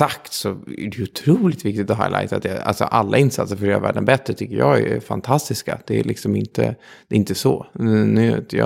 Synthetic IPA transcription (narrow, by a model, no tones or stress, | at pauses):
sakt̪sɔæɖɛjʊt̪ʰɾuːlɪt̪vɪk̚t̪ɪt̪ɔɦaɪla̰ɪt̪at̪jɛa̰lsɔʔalːaɪnsat̪səɾfœɾeːɾa̰væ̰ːɖənbɛt̪ɾət̪ʰʏkːəɾjɑːɡɛfant̪ʰast̪ɪskad̪̥ɛælʔɪksɔmɪnt̪ə̰dd̪ɛɪnt̪əsɔnʉt̪jɑ